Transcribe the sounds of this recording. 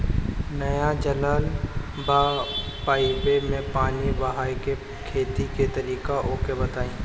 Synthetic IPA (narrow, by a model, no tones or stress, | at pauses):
nɐjad͡ʒɐlaːl | baː | paːɪpemẽpaːnibɐɦaːjke | kʰeːt̪iket̪ɐɾiːkaʔoːkebɐt̪aːĩː